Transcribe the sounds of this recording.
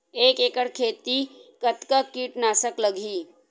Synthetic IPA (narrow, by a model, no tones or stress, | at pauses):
eːkeːkəɽkʰeːt̪ikət̪kəkiːʈnaːsəkləɡʱiː